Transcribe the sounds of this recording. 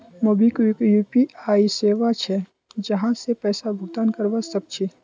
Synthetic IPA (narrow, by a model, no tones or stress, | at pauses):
mobʱikikjuːpiaːiseːʋat͡ʃʰɛ | d͡ʒɐɦãsepɛːsabʱʊɡt̪aːnkɐɾʋasɐb̚t͡ʃʰi